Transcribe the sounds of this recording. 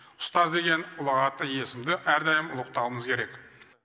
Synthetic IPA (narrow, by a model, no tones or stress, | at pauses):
ʊ̥st̪ɑzd̪e̞ɡʲe̞nʊlˠɑʁɑt̪ːəje̞sɪmd̪ɪʔæɾd̪ɑjəmʊlˠəq̚t̪ɑwəməzkʲʰe̞ɾe̞k